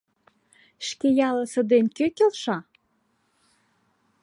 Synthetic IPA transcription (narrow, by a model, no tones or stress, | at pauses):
ʃkejɑlə̆sə̆d̪enkøkelʃɑ